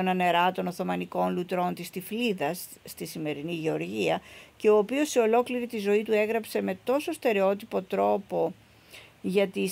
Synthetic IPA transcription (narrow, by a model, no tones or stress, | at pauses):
onɐne̞ɾɐt̪o̞no̞θo̞mɐniko̞nlut̪ɾo̞nt̪ist̪ifliðɐsː | t̪isime̞ɾiniʝe̞o̞ɾʝiɐce̞o̞ːpio̞seo̞lo̞kliɾit̪izo̞it̪ue̞ɣɾɐpse̞me̞t̪o̞so̞st̪e̞ɾe̞o̞t̪ipo̞t̪ɾo̞po̞ | ʝɐt̪i